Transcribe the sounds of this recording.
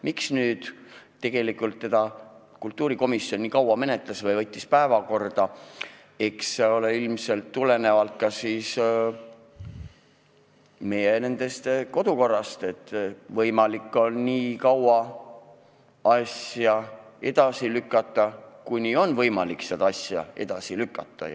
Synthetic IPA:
miksnyːd̪̥t̪ːe̞ɡ̥e̞likˑult̪ːe̞d̪̥ɑ | kult̪ːˑuːɾiko̞misːjo̞nːikɑwɑme̞ne̞t̪ˑlɑsvɤjvɤt̪ʲːispæevɑko̞rd̪̥ɑ | e̞kseo̞leilmse̞lt̪ːule̞ne̞vɑlt̪̚kɑsiːs | me̞jene̞nd̪̥e̞st̪ko̞d̪̥uko̞rːɑst̪e̞t̪ˑːvɤjmɑlikːˑo̞nːiːkɑwɑ | ɑsjɑe̞d̪̥ɑsilykːˑɑt̪ˑːɑkunio̞nvɤjmɑlikseɑd̪̥ɑɑsjɑ̰e̞̰d̪̥ɑsilykːɑt̪ːɑ̰

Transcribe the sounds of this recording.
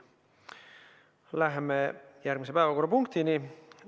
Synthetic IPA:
læɦmejærkmisepæːvækuːrɑpuŋkt̪ini

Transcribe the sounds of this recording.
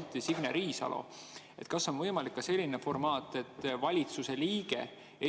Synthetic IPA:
t̪ːˑisiɡ̥nḛɾiːsɑ̰lʔo̰ | e̞t̪kɑsːo̞nvɤ̞jmɑlikːɑse̞lʲːinefo̞rmɑːt̪ˑːe̞t̪ːvɑlʲit̪suseliːɡ̥e̞̰ | e

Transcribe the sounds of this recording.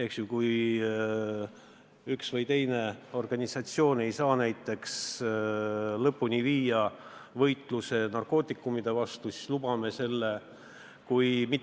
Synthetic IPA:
eksjukuj | yksvɤjt̪e̞jne̞o̞rɡ̥ɑnʲisɑt̪sio̞ːne̞jsɑːnæjt̪ːˑe̞ks | lɤpːunʲiviːjɑvɤ̞jt̪ˑluse̞nɑrko̞ːt̪ːˑikːˑumid̪̥e̞vɑst̪usislub̥ɑme̞se̞lːe̞ | kujmit̪

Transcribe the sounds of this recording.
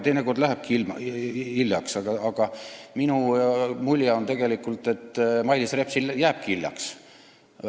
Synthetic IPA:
t̪e̞jneko̞rd̪læɦæb̥̚kilmilːjɑksɑɡɑɑɡ̥ɑminumulʲjɑo̞nt̪e̞ɡe̞likːˑult̪ːˑe̞t̪ːˑmɑjlisre̞psiljæːb̥̚kiiljɑ̰ks

